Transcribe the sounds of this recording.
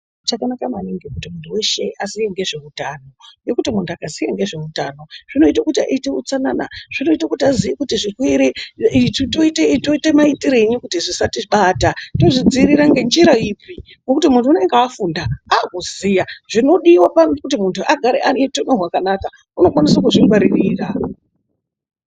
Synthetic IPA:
t͡ʃakanakamaniŋɡikutimuntʰuwe̞ʃe̞ʔazijeŋɡe̞ʐe̞utano̞je̞kutimuntʰuakazijeŋɡe̞ʐe̞utano̞ʐ̥ino̞itakutia̰ite̞ut͡sanana̰ʐ̥ino̞itakutiazijekutiʐikwiɾe | toiteto̞itemaitiɾe̞ɲikutiʐisatiɓaːtato̞ʐid͡ziɾiɾaŋɡe̞nd͡ʒiɾaipi | ŋɡokutimuntuːne̞ŋɡeafundaakuzijaʐ̥ino̞ɗiwapanokutimuntʰuaɡʱaɾḛʔanetomerwakanaka | uno̞kwanisakuʐiŋɡwaɾiriːra

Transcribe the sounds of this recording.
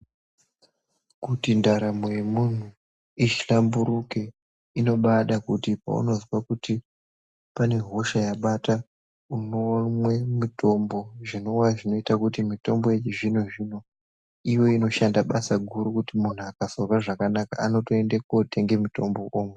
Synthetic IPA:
kutindaɾamojemun̤u | it͡ʃi̥ɬambuɾuke̞ | ino̞ɓaɗakutipa̰ṵno̞ziwakuti | pane̞ɦo̞ʃajaɓata | unomwe̞mito̞mbo̞ʐino̞waʐino̞itakutimito̞mbo̞jet͡ʃiʐin̤uʐino | iwo̞ino̞ʃandaɓasaɡʱuɾukutimun̤uakasorwaʐakanaka̰ano̞toe̞ndekotʰe̞ŋɡe̞muto̞mbo̞ʔoːmwe

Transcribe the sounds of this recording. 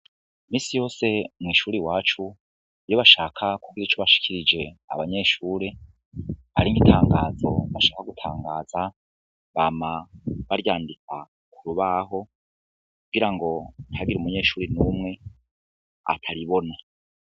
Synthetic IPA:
miːsijo̞ːse̞mŋiːʃuːɾiwaːt͡ʃu | jo̞βaʃaːkʰakuɡiɾit͡ʃoβaʃi̥kʰiɾid͡ʒe̞a̰βaɲe̞ʃuːɾe | ha̰ɾiŋɡitʰaːŋɡaːzo̞̰βaʃaːkaɡutʰaːŋɡaːza | βaːmaβaɾjaːndika | kʰuɾuβaɦo̞ | kuɡiɾaŋɡo̞nhaɡiɾumuɲe̞ːʃuːɾinuːmŋe̞ | a̰tʰaɾiβo̞na

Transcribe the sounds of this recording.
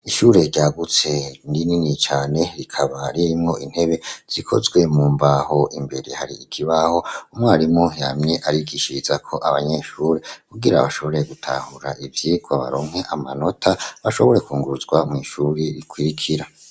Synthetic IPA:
iʃuːɾe̞ɟaːɡut͡se̞ndininit͡ʃaːne̞ɾikʰaβaɾiɾmŋo̞ʔin̥he̞βe̞z̥ikʰo̞̰zɡwe̞muːmbaho̞ʔimbe̞ɾehaɾḭːkʰiβaho̞umŋaːɾimojamɲe̞ʔaɾiɡiʃizakʰo̞ʔaβaɲe̞ʃuɾekuɡiɾa̰βaʃo̞βo̞ɾe̞ɡutʰa̰huɾa̰ʔivjiːɡwaβa̰ɾo̞ːŋhe̞ʔamano̞tʰaβaʃo̞βo̞ɾe̞kuːŋɡuɾuzɡwamŋiːʃuːɾeɾikwiɾikʰiɾa

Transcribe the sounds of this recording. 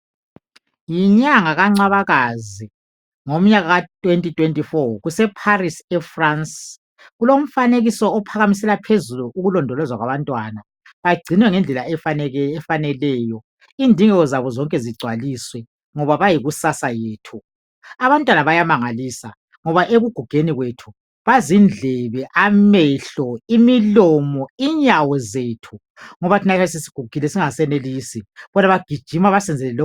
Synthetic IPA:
jiɲaŋaɣaŋ͡ǀaβaɣazi | ŋom̩ɲaɣaɣatʼwentʼitʼwentʼifɔɣusɛpʰarisɛfrans | ɣulom̩faneɣisɔːpʰaɣamis̬ɛlapʰezuluʔuɣulɔndʱɔlɔzwaɣwaβantʼwana | βaɡ͡ǀʱinwɛŋɛnd͡ɮʱɛlaɛfaɛɛfanɛlɛjɔ | indʱiŋɛɣɔzaβɔzɔŋkʼɛziɡ͡ǀʱwaliswɛ | ŋɔβaβajiɣusasajeːtʰu | aβantʼwanaβajamaŋaliːsa | ŋɔβaʔeɣuɡ̥ʱuɡ̥ʱeniɣwetʰu | βazind͡ɮʱɛβɛʔamɛɬɔimilɔmɔiɲawɔzeːtʰu | ŋɔβatʰinaβs̬isi̥ɡ̥ʱuɡ̥ʱilɛsiŋasɛneliːsiβɔnaβaɡ̥ʱid̥ʒ̥ʱimaβasɛnd͡zʱɛlɛlɔ

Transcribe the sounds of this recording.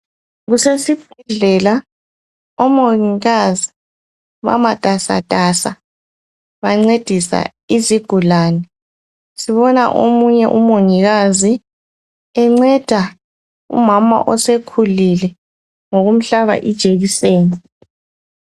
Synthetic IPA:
ɣusesib̥̚ʱɛɮɛla | ɔmoŋiɣazi | βa̰mad̥ʱasa̰d̥ʱasa | βaŋ͡ǀed̥ʱisa̰ | iziɡ̥ʱulaːnɛ | siβɔna̰ʔo̰muɲɛʔumoŋiɣazi | ɛŋ͡ǀɛd̥ʱa | ṵmama̰ʔɔsekʰulilɛ | ŋoɣum̩ɬaβa̰ʔid̥ʒ̥ʱeɣiseːni

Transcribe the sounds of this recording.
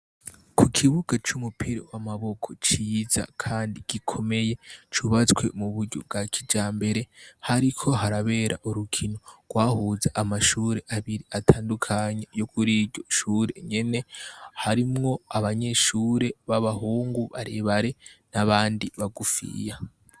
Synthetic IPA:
kʰukʰiβuɡ̥at͡ʃumupʰiɾo̰wamaβo̞kʰo̞t͡ʃiːza̰kʰaːndiɡ̥ikʰo̞me̞je̞t͡ʃuβat͡skwe̞muβuɾɟo̰b̚ɡakʰid͡ʒaːmbe̞ɾe̞haɾikʰo̞ɦaɾaβe̞ːɾʔa̰ʔuɾukʰino̞ɡ̥waːhuzaʔamaʃuɾe̞ʔaβiɾiatʰaːndukʰaɲe̞jokʰuɾiɾɟo̞ʃuːɾe̞̰ɲe̞ne̞haɾimŋo̞aβaɲe̞ʃuːɾe̞βaβaɦuːŋɡuβa̰ɾeβaɾe̞naβaːndiβaɡufḭja

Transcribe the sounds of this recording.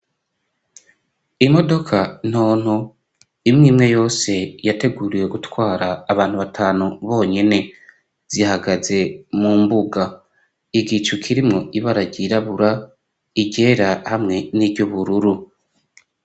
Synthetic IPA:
imo̞do̞kʰan̥o̞ːn̥o | imŋiːmŋe̞jo̞ːse̞jate̞ɡuːɾijeɡutwaːɾaːβaːn̥huβatʰaːnuβo̞ːɲe̞ne̞ | z̥ihaɡaze̞muːmbuɡa | iɡit͡ʃukʰiɾimŋo̞iβaɾaɟiɾaβuɾa | iɟe̞ːɾahamŋe̞niːbɟoβuɾuɾu

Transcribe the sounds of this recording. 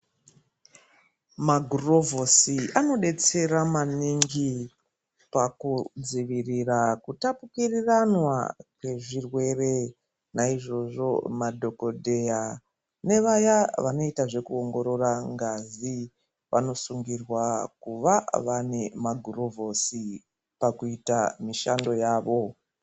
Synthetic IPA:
maɡʱuro̞vo̞siʔano̞ɗe̞t͡se̞ɾamaniŋɡi | pakud͡ziʋirirakutapukiriranwa̰kwe̞ʐirwe̞re | naiʐo̞ʐo̞̰madʱo̞ko̞dʱe̞ja | ne̞ʋajaʋano̞itaʐe̞kuoŋɡo̞ɾo̞raŋɡazi | ʋʔano̞suŋɡirwakuʋaʋane̞maɡʱurovʱo̞si | pakuitamiʃando̞jaːʋo̞

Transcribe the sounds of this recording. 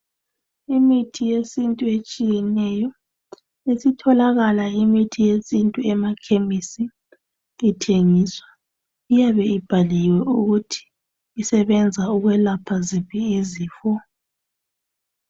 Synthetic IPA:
imitʰijesintʼuet͡ʃʼijɛnɛjɔ | esitʰɔlaɣalaimitʰijesintʼuɛmakʰemisiː | tʰeŋiːswa | ijaβɛib̥ʱaliwɛʔuɣutʰi̥ː | sɛβɛnd͡zʱauɣwɛlapʰazipʰiiziːfɔ

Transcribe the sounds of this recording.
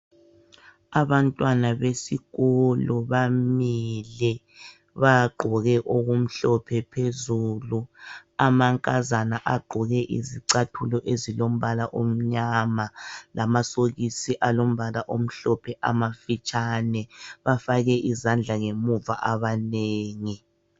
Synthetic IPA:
aβantʼwanaβesiɣuluβamilɛ | βaɡ͡ǃʱɔɣɛʔoɣum̩ɬɔpʰɛpʰezuːluamaŋkʼazanaʔaɡ͡ǃʱɔɣɛʔḭziǀatʰulɔʔezilom̩βalaʔom̩ɲamalamasoɣisiʔalom̩βalaʔom̩ɬɔpʰɛʔamafit͡ʃʼanɛβafaɣɛʔizand͡ɮʱaŋemuva̰ʔaβaneːŋi

